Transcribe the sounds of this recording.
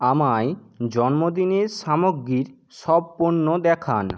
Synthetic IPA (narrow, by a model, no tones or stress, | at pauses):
amajd͡ʑɔnmod̪ineɾʃamoɡːiɾ | ʃɔb̚ponːod̪ɛkʰan